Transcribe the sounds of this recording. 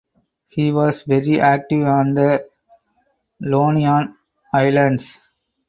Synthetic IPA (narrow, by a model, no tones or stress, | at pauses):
hiːʋɔːsʋɛɾiʔæːk̚ʈɪʋɔ̃ːnd̪ə | loːniãːn | aɪlə̃ɳɖs